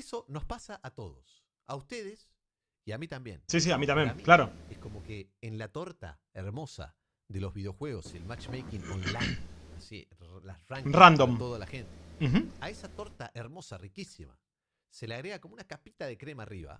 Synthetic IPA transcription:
eso̞no̞spasaʔat̪o̞ðos | aust̪e̞ðes | iamit̪ambje̞̰nsis̬iamit̪ambjeklaɾoesko̞mo̞keːnlat̪o̞ɾt̪a̰ | eɾmo̞sa̰ | ðe̞lo̞zβið̞eo̞xwe̞ɣo̞siḛlmat͡ʃmejkiŋõnlajnasḭlaraŋkrand̪omt̪oðalaxent̪em̩x̩aesat̪o̞ɾt̪a̰ʔeɾmo̞sarikisima̰ | se̞leaɣɾeakomounakapit̪aðe̞kɾe̞mariβa̰

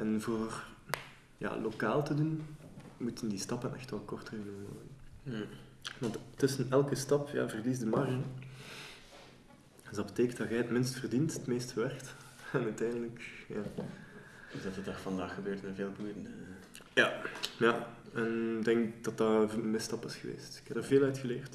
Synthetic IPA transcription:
ʔɛnvoːrr | ja̰ːloka̰ːlˠtədunmutəndistɑpənʔɛxtʋɛlˠkɔrtərənəəno̰ːəə | ʋɑnttːɵsənɛlˠkəstɑpja̰ːvərlizdəmɑrʒən | ɛnzdɑbəteːkəndɑɣɛjətmɪnstfərdintətmeːstəʋɛrkt | ɛnœɥtɛjndələkjaː | zdɑtədaxfɑndaːxəbøːrtnəveːlˠbudənə | jajaɛnɡ̚dɛŋkd̥ɑtɑmɪstɑpɪsxəʋḛːstɪ̥kɛbdərveːlœɥtxəleːrt

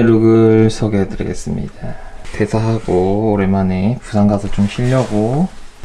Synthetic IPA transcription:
ɾɯɡɯɭsʰʌɡeɦetɯɾḭɡe̞̰s͈ɯmɲḭdate̞sʰaɦaɡoːɾemanepusʰaŋɡasʰʌt͡ɕomɕʰiʎːʌɡo

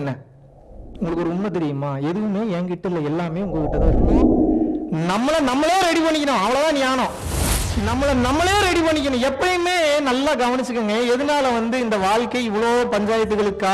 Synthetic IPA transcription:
nːɐ | ʊŋɡɐɭɯkːɔɾɯʊnmɐt̪ɛɾɪjɯmaːɛðɯɣɯmeːɛŋɡɪʈːɪlːɐɛlːaːmeːʊŋɡɐɭɯkːɪʈːɐðãːɪɾɯpːɐ | nɐmːɐɭɐnɐmːɐɭjeːɾɛɽipɐɳːɪk̬ʲːɪnõɐʋɐɭɐt̪ãːnɪjaːnõː | nɐmːɐɭɐnɐmːɐɭɐjeːɾɛɽipɐɳːɪkːɪnʊ̃ɛpːɐɽjɯmeːnɐlːaːɡɐʋɐnɪt͡ʃːɯkːɯŋɡɐɛðɯnaːlɐʋɐnd̪ɯɪnd̪ɐʋaːɭkɐɪɪʋɐɭoːpɐɲd͡ʒaːjɐt̪ːɯɣɐɭɯkːaː

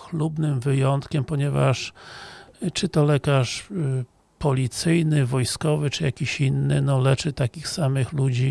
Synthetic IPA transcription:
xlubnɘmvɘjɔnt̪kʲɛmpɔɲɛva̰ʂ | t͡ʂɘt̪ɔlɛkaʂ | pɔlʲit̪sɘjnɘvɔjskɔvɘt͡ʂɘja̰kʲiɕinːɘnɔlɛt͡ʂɘt̪akʲixsamɘxlud͡ʑi

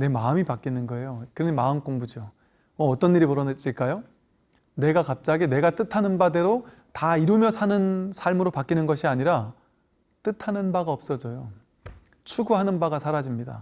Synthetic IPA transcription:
ne̞maɯmipak͈inɯnɡʌe̞jokɯɾʌnimaɯnk͈oŋbud͡ʑio | ʌːt͈ʌnːiɾipʌɾʌnɯt͡ɕ͈iɭk͈ajo | ne̞ɡakap̚t͡ɕ͈aɡine̞ɡat͈ɯtʰanɯnbade̞ɾo | taiɾumjʌsʰanɯnsʰaɭmɯɾopak͈inɯnɡʌɕʰiaɲiɾa | t͈ɯtʰanɯnbaɡaʌp̚s͈ʌd͡ʑojo | t͡ɕʰuɡuɦanɯnbaɡasʰaɾad͡ʑimɲida̰

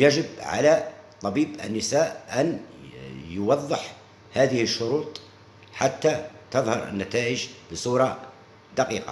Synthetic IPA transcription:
jaʒɪbʕa̰lat̪ˤɑbiːbʔə̰nːɪsaːʔʔan | jʊwɑðˤːəħ | haːðɪhɪʃːʊɾuːt̪ˤ | ħat̪ːat̪ɑðˤhɑ̰ɾˤʔə̰nːat̪aːʔəʒbəsˤuːɾˤɑ | d̪aqiːqɑ̰

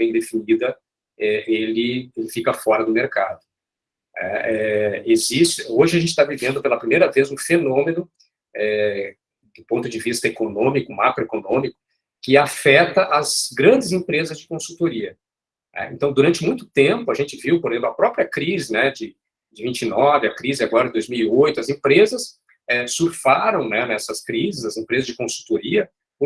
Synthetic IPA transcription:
bẽj̃d̪efinid̪ɐ | ɛelɪelɪfikɐfɔɾɐd̪ʊmeɾka̰d̪ʊ | nɛ̰ɛezist͡ʃɪoʒɪɐʒẽt͡ʃɪ̥t̪avivẽnd̪ʊpelɐpɾimejɾɐvezũfenõmẽnʊ | ɛ | d̪ʊpõnt̪ʊd͡ʒɪvist̪ɐekonõmikʊma̰kɾoekonõmikʊ̥ | kɪafɛt̪ɐʔɐzɡɾɐ̃d͡ʒɪzẽpɾezɐzd͡ʒɪkõsut̪oɾiɐ | nɛ̰ḛ̃nt̪ɐ̃w̃d̪uɾɐ̃nt͡ʃɪmũj̃t̪ʊ̥t̪ẽpʊɐʒẽnt͡ʃɪviwpoɾezẽplʊɐpɾɔpɾiɐkɾizɪnɛd͡ʒɪ | d͡ʒɪvĩnt͡ʃɪnɔvɪɐkɾizɪaɡɔɾɐɪd̪ojzmiwiojt̪ʊɐzẽpɾezɐs | ɛsuɾfaɾɐ̃w̃nɛnɛsɐskɾizɪzɐzẽpɾezɐzd͡ʒɪkõsu̥t̪oɾiɐ

